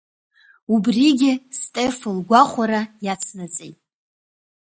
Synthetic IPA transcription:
ubriɡʲɪstʼe̞flɡʷaχʷaɾajat͡sʰnat͡sʼḛjtʼ

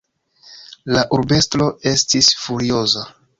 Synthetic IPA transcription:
laʔuɾbe̞stɾo̞e̞stisfuɾio̞za

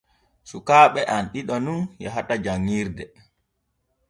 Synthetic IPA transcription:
sukaːɓɛʔanɗiɗɔnunjɛ̰ɦatad͡ʒaŋːiːɾdɛ

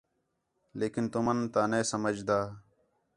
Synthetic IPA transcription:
leːkɪnt̪umənt̪aːneːsəməd͡ʒd̪aː

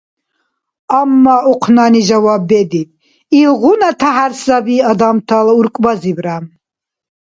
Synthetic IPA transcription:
amːaʔuqʰnaniʒawabːɛd̪it̪ | ilʁunat̪ʰaɦaɾsabiːad̪amt̪ʰalauɾkʼbazibɾam

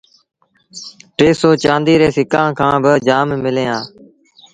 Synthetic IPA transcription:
ʈeːsoːt͡ʃãːnd̪iːɾeːsɪkãːkʰãːbɪd͡ʒaːmmɪlẽːãː

